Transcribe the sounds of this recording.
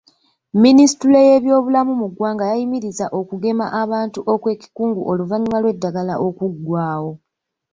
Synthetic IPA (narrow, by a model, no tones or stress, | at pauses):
minisituleje̞βjo̞ːβulamumuɡwaːŋɡajajimiɾizaʔo̞kuɡe̞ma̰ʔaβaːntuʔo̞kwe̞ːci̥kuːŋɡuʔo̞luvaɲimalwe̞dːaɡalaʔo̞kuɡwaːwo̞